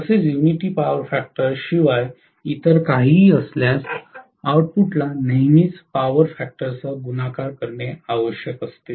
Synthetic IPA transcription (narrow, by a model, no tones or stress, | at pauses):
əset͡sjuʋniʈiːpaʋəɾfæk̚ʈəɾɕiʋaj | it̪əɾkaɦiːəsljas | awʈ̚puʈlanəɦmiːt͡spaʋəɾfæk̚ʈəɾt͡səɡunakaɾkəɾɳjeaʋəɕjəkəst̪e